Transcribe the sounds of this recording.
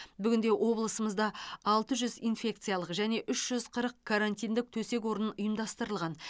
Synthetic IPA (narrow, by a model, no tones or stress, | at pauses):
bʏɡʲɪnd̪e̞ʔwʔo̞blˠəsəməzd̪ɑɑlˠt̪əʒʏzijnfʲe̞k̚t̪sɨjɑlˠəqʒæne̞ʔʏʃʒ̥ʏz̥qʰəɾəqkʰaɾanʲt̪ʲijnd̪ɪk̚t̪ʰɵse̞k̬wo̞ɾənənʊjəmd̪ɑst̪əɾəlˠʁɑn